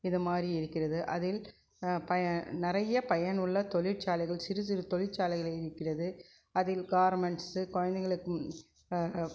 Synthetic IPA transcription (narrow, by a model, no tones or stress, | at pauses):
ɪðɯmaːd̪riɪɾɯkːɪrɐðɯʔɐðɪl | pɐɐnɪɾɐjɐpɐjɐnɯɭːɐt̪ɔɭɪʈ̚t͡ʃaːlɐɪɣɐɭsɪɾɯs̬ɪɾɯt̪ɔɭɪʈt͡ʃːaːlɐɪɣɐɭɐɪɾɯkːɪrɐðɯ | ɐðɪlɡaːɐɾmɛɳʈsɯkɔɻɐnd̪ɐɣɐɭɯkːɯm